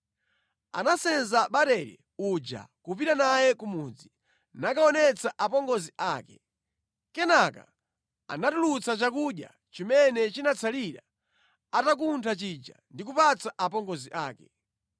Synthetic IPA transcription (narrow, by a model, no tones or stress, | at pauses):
a̰nasɛnzaɓaɾɛɾɛ̰ | ud͡ʒa̰kupiɾanajɛkumud͡zi | nakaɔnɛt͡saʔapɔŋɡɔziʔaːkɛ | kɛnaka̰ | a̰natulut͡sat͡ʃakuɗja̰ | t͡ʃimɛnɛt͡ʃinat͡sʰaliɾa | atak̬untʰat͡ʃid͡ʒa̰ndikupat͡saʔapɔŋɡɔziʔaːkɛ